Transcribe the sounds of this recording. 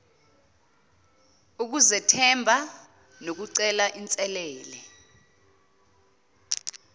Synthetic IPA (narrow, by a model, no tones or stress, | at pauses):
uk̬uzɛtʰɛmbʱa | nok̬uǀɛlaʔint͡sʼɛlɛːlɛ